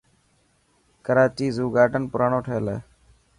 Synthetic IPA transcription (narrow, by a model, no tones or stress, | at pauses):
kəɾaːt͡ʃiːzuːɡaːɖənpʊɾaːɳoːʈʰəːəleː